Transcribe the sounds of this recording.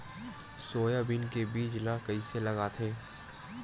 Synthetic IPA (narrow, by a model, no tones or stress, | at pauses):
soːjabɪnkebiːd͡ʒlakɐiselɐɡaːt̪ʰeː